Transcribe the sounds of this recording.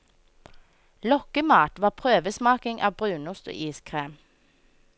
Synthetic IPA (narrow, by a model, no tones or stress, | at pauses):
lɔkəmɑːt̪ʋɑːpʰʁøːʋəsmɑːkɪŋʔɑ̰ːbʁʉːnʊst̪o̰ːʔiːskʰʁeːm